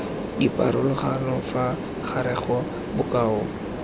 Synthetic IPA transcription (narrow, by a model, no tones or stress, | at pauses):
dipʼa̰ɾʊlʊχanɔfa | χʰaɾɛχɔ | bʊkʼaːʊ